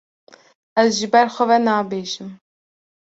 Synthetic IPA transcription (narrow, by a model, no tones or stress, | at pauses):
ɛzʒɨbɛɾxʷɛvɛnɑːbeːʒɨm